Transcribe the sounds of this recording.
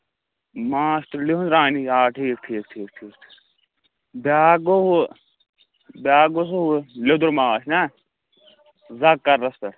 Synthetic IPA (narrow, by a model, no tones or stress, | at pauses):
maːʃt̪uɾliɦunɾaːniaːʈʰiːk̚ʈʰiːk̚ʈʰiːk̚ʈʰiːkʰ | baːɡoɦu | bʲaːɡosoɦuled̪uɾmaːʃna | zɐkːɐɾːɐst̪ɐɾ